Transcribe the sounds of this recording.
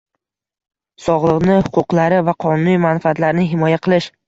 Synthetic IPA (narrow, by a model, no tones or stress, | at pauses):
sɒʁlˠɨqnɪhʊqʊqlˠaɾɪvaqʰɒnʊnijmanfɪat̪laɾnɪɦɪmɒjaqʰɨlˠɪʃ